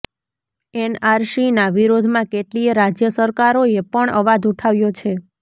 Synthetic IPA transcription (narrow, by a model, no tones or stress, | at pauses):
ɛnaɾʃinaʋiɾod̪ʱmãkeʈliɾad͡ʒjəsəɾkaɾoepəɳəʋad̪uʈʰaʋjot͡ʃʰe